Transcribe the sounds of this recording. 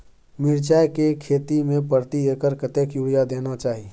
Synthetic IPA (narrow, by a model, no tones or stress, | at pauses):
mɪɾt͡ʃaːjkekʰeːt̪imẽpəɾt̪ieːkəɾkət̪eːkjuɽijad̪eːnat͡ʃaːɦie